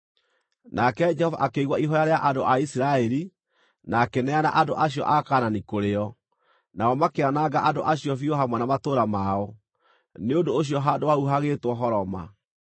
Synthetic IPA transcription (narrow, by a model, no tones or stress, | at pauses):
nʔakɛd͡ʒɛhɔva̰ʔakeiɣwaiɦɔjaɾeaʔadoʔaisiɾaɛɾi | naːkenɛana̰ʔadoʔaɕ̬iɔ̰ʔakananikoɾeɔ | naɔmakeanaɡaʔadoʔaɕiɔfiɔɦamwɛnamatoɾamaɔ | neondoːɕ̬iɔɦaːndoauɦaɣeːtwɔɦɔɾɔma̰